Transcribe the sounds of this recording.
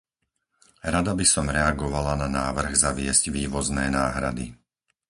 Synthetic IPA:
ɾad̪abisɔmɾɛaɡɔʋalananaːʋr̩ɣzaʋɪɛzɟʋiːʋɔznɛːnaːɦɾa̰d̪ḭ

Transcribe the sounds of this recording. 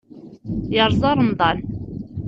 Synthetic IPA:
jəɾˤzˤɑɾˤnd̪ˤɑn

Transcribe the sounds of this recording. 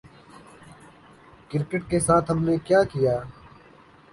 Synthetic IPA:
kɪɾkɪʈ̚keːsaːt̪ʰɦəmneːkjaːkɪjaː

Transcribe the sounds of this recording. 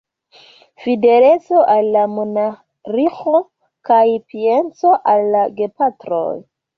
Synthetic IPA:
fide̞let͡so̞ʔalːamona | ɾixo | kajpient͡so̞ʔalːaɡepatɾo̰j

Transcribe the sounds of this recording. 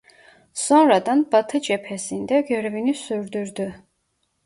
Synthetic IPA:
sɔnɾad̪anbat̪ʰɯd͡ʒɛpʰɛsind̪ɛɡœɾvinisyɾd̪yɾd̪y

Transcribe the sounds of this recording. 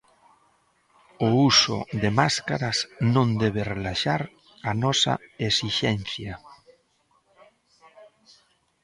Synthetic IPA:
ʊusʊ̰ðemaskaɾasnõnd̪ɛβ̞erelaʃaɾ | anɔsa̰esiʃɛn̟θja

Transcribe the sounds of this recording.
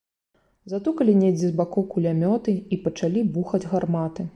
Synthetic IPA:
zat̪ukɐlʲinʲɛd͡zʲizbakɔwkulʲamʲɔt̪ɨipɐt͡ʂalʲibuxɐd͡zʲɣarmat̪ɨ

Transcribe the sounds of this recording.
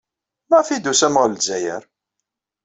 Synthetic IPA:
mæfid̪usæməʁlzæjə̰ɾ

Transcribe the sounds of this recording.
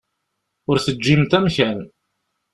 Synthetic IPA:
ʊɾθəd͡ʒːimt̪æmçæln

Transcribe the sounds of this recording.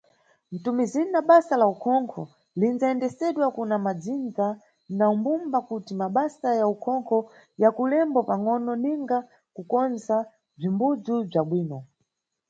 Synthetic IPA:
n̩tumizininaɓasalaukʰɔŋkʰɔ | linzaɛndɛsɛɗwakunamad͡zind͡za | naumbumbakutimaɓasajaukʰɔŋkʰɔ | jakulɛmbɔpaŋɔnɔniŋɡa | kukɔnza | b͡ʐimbud͡zub͡ʐaɓwiːnɔ

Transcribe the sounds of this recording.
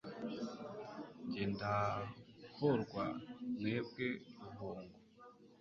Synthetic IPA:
ɲɟeːnda | hoɾɡwane̞ːbɡe̞ɾuɦoːŋɡo

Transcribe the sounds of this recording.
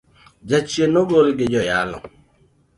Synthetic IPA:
d͡ʒat͡ʃienoɡolɡɪd͡ʒɔjalɔ̰ŋ

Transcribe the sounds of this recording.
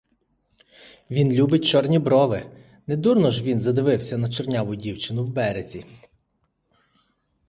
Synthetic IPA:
ʋʲinlʲubɪt̚ʲt͡ʃɔrnʲibɾɔʋɪ | nɛd̪urnɔʒʋʲinzɐd̪ɪʋɪwsʲɐnɐt͡ʃernʲaʋʊdʲiwt͡ʃɪnʊwbɛɾezʲi

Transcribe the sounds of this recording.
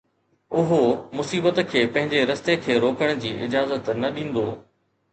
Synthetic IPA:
ʊɦomʊsiːbət̪kʰeːpɐ̃ɦɪ̃ɲd͡ʑeɾɐst̪ekʰeːɾoːkəɽ̃ʊd͡ʑiːʔɪd͡ʑaːzət̪nɐɗĩːn̆d̪oː

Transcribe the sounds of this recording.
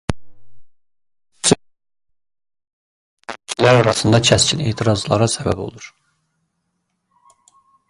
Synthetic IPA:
læɾɑɾɑsɯnd̪ɑcʰæscʰine̞̰ːt̪ʰiɾɑzlˠɑ̰ɾɑsæbæ̰bo̞̰lˠuɾ̥

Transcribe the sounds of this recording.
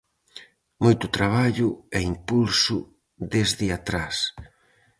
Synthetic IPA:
mojt̪ʊt̪ɾaβ̞aʎʊɛimpulsʊ | ðezðɪat̪ɾas

